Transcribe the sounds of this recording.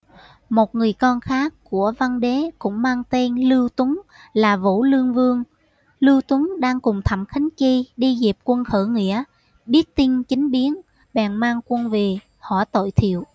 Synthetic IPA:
mo˨˩t̚ŋɨ˨˩əjkɔ˧nxaː˦˥kːu˧˩əva˧nɗe˨˦kʊ̰˧˥ŋ͡mmaː˧ŋt̪e˧nlɨ˧wt̪ə˨˦ŋlaː˨˩vo̰˧˥lɨ˧əŋvɨ˧əŋ | lɨ˧wt̪wə˨˦ŋɗaː˧ŋkʊ˨˩ŋ͡mt̪ʰə˧˩mxa˨˦ŋ̟ki˧ɗi˧zi˨˩p̚kwə˧nxəː˧˩ŋḭ˧˥ə | ɓi˦˥ət̚t̪ï˧nt͡ɕï˨˦ŋ̟ɓi˨˦ən | ɓɛ˨˩nmaː˧ŋkwə˧nve˨˩ | hɔ˧˩t̪o̰˧˨jt̪ʰḭ˧˨əw

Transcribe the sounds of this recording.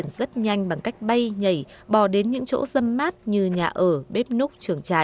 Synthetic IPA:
ənzə˦˥t̚ɲa˧jŋ̟ɓa˨˩ŋka˦˥jk̟̚ɓə˧jɲə˧˩jɓɔ˧˩ɗe˨˦nɲɨ̰˧˥ŋt͡ɕo̰˧˥zə˧mːaː˦˥t̚ɲɨ˧ɲaː˨˩ʔəː˧˩ɓe˦˥p̚nu˦˥k͡p̚t͡ɕɨ˨˧˩əŋt͡ɕa̰ː˧˨

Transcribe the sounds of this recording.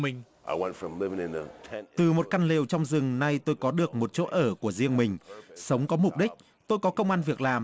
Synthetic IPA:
ï˨˩ŋ̟ | ʔaɪwɛ̃ntfɹʌ̃mlɪvɪ̃ŋɨ̃nðətʰɛ̃t̪ɨ˨˩mo˨˩t̚ka˧nle˨˩wt͡ɕɔ˧wŋ͡mzɨ˨˩ŋna˧jt̪o˧jkɔ˨˦ɗɨ˨˩ək̚mo˨˩t̚t͡ɕo̰˦˧˥ʔəː˧˩ku˧˩əzi˧əŋmï˨˩ŋ̟sə˨˦wŋ͡mkɔ˨˦mʊ˨˩k͡p̚ɗï˦˥k̟̚ | t̪o˧jkɔ˨˦kə˧wŋ͡mʔaː˧nvi˨˩ək̚laː˨˩m

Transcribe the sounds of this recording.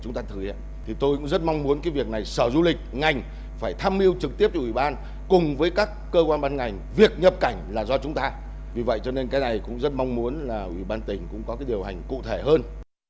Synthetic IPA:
t͡ɕʊ˨˦ŋ͡mt̪aː˧t̪ʰɨ˨˦ja˧˦ | t̪ʰi˨˩t̪o˧jkʊ̰˧˥ŋ͡mzə˦˥t̚ma˧wŋ͡mmu˨˦ənkaː˨˦vi˨˩ək̚na˨˩jsəː˧˩zu˧lï˨˩k̟̚ŋa˨˩jŋ̟ | faː˧˩jt̪ʰaː˧mʔi˧əwt͡ɕɨ˨˩k̚t̪i˦˥p̚t͡ɕɔ˧wi˧˩ɓaː˧n | kʊ˨˩ŋ͡mvəː˨˦jkaː˦˥kːəː˧kwaː˧nɓaː˧nŋa˨˩jŋ̟vi˨˩ək̚ɲə˨˩p̚ka˧˩jŋ̟laː˨˩zɔ˧t͡ɕʊ˨˦ŋ͡mt̪aː˧ | vi˨˩və̰˧˨jt͡ɕɔ˧ne˧nkaː˨˦jna˨˩jkʊ̰˧˥ŋ͡mzə˦˥t̚ma˧wŋ͡mmu˨˦ənlaː˨˩ʔwi˧˩ɓaː˧nt̪ï˨˩ŋ̟kʊ̰˧˥ŋ͡mkɔ˨˦kaː˨˦jɗi˨˩əwɦa˨˩jŋ̟kṵ˧˨t̪ʰe˧˩ɦəː˧n

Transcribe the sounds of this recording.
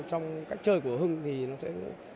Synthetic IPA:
t͡ɕɔ˧wŋ͡mkaː˦˥jk̟̚t͡ɕəː˧jku˧˩əɦɨ˧ŋt̪ʰi˨˩nɔ˨˦sɛ̰˧˥

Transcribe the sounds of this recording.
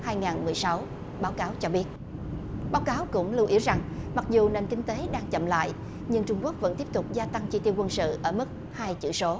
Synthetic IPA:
haː˧jŋaː˨˩nmɨ˨˩əjsa˨˦w | ɓaː˨˦wkaː˨˦wt͡ɕɔ˧ɓi˦˥ət̚ | ɓaː˨˦wkaː˨˦wkʊ̰˧˥ŋ͡mlu˧wʔi˨˦əwza˨˩ŋma˨˩k̚zu˨˩ne˧˩nkï˧ŋ̟t̪e˨˦ɗaː˧ŋt͡ɕə̰˧˨mla̰ː˧˨j | ɲɨ˧ŋt͡ɕʊ˧ŋ͡mku˦˥ək̚və̰˧˥nt̪i˦˥əp̚t̪ʊ˨˩k͡p̚zaː˧t̪a˧ŋt͡ɕi˧t̪i˧əwkwə˧nsɨ̰˧˨ʔəː˧˩mɨ˦˥k̚ | haː˧jt͡ɕɨ̰˧˩˨so˨˦

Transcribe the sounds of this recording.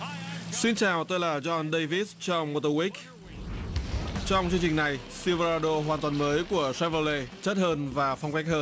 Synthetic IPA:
swi˧nt͡ɕaː˨˩wt̪oː˧jlaː˨˩zɔ˧nɗə˧jvi˦˥t̚t͡ɕɔ˧wŋ͡mmo˧t̪ə˧wi˦˥k̚ | t͡ɕɔ˧wŋ͡mt͡ɕɨ˧əŋt͡ɕï˨˩ŋ̟na˨˩jsi˧və˧aː˧ɗo˧ɦwaː˨˩nt̪waː˨˩nməː˨˦jku˧˩əsɛ˧˥və˧le˧t͡ɕə˦˥t̚həː˧nvaː˨˩fɔ˧wŋ͡mkɛ˦˥k̚həː˧n

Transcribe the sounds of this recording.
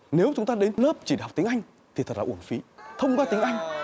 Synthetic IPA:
ne˨˦wt͡ɕʊ˨˦ŋ͡mt̪aː˧ɗe˨˦nləː˦˥p̚t͡ɕi˧˩ɗk͡p̚t̪i˨˦ŋʔa˧jŋ̟ | t̪ʰi˨˩t̪ʰə˨˩t̚la̰ː˨ʔu˧˩ənfḭ˨˦t̪ʰə˧wŋ͡mkwaː˧t̪ï˨˦ŋ̟ʔa˧jŋ̟

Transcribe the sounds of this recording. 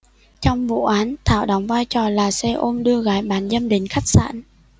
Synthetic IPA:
t͡ɕɔ˧wŋ͡mvṵ˧˨ʔaː˨˦nt̪ʰaː˧˩wɗɔ˨˦wŋ͡mvaː˧jt͡ɕɔ˨˩laː˨˩sɛ˧ʔo˧mɗɨ˧əɣaː˨˦jɓaː˨˦nzə˧mɗe˨˦nxa˦˥k̚sa̰ː˧˥˨n

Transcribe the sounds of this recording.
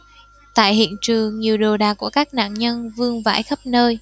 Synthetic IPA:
t̪a̰ː˧˨jhḭ˧˨ənt͡ɕɨ˨˩əŋɲi˨˩əwɗo˨˩ɗaː˨˩ku˧˩əkaː˦˥k̚na̰ː˧˨nɲə˧nvɨ˧əŋva̰ː˧˩jxə˦˥p̚nəː˧j

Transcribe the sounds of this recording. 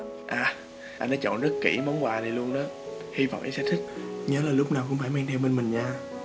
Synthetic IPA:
ʔaː˨˩ | ʔa˧jnɔ˨˦˥t͡ɕɔ̰˧˨nzə˦˥t̚kḭ˧˩mɔ˨˦wŋ͡mwaː˨˩zi˨˩lu˧ənɗɔː˨˦ | hi˧vɔ̰˧˨wʔa̰˨˧˩sɛ˧˥t̪ʰi˦˥k̚ɲəː˨˦laː˨˩lʊ˦˥p̚naː˨˩wkʊ̰˧˥ŋ͡mfaː˧˩jmaː˧ŋt̪ʰɛ˧wɓe˧nmï˨˩ŋ̟ɲaː˧

